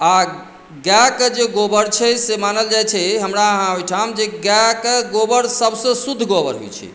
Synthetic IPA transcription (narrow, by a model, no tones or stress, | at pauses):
a | ɡɛkd͡ʒeɡobəɾt͡ʃʰɛsemanəld͡ʒajt͡ʃʰɛɦəmɾaəɦãɦojʈʰamd͡ʒeɡɛkɡobəɾsəbsə̃sud̪ʱːɡobə̰ɾɦo̰jt͡ʃʰɛ̰